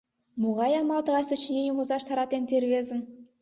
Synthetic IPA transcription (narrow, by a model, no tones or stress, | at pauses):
muʁɑjɑmɑlˠt̪ɤ̆ʁɑsə̆t͡ɕnʲenʲimuzɑʃt̪ʰɑɾɑt̪ent̪ʲerʲβʲezɘ̆n